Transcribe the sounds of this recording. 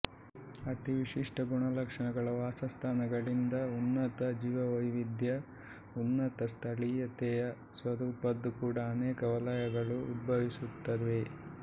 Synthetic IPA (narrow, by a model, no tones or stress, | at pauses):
ɐʈiʋiʂiʂʈɐɡuɳɐlɐkʂɐɳɐɡɐɭɐʋaːsɐst̪ʰaːnɐɡɐɭind̪ɐunːɐt̪ɐd͡ʒiːʋɐʋɐjʋid̪jɐ | unːɐt̪ɐst̪ʰɐɭijɐt̪ɛjɐ | sʋɐd̪uːpɐd̪ːukuːɽɐːneːkɐɐʋɐlɐjɐɡɐɭuːd̪̚bʱɐʋisut̪ːɐde̞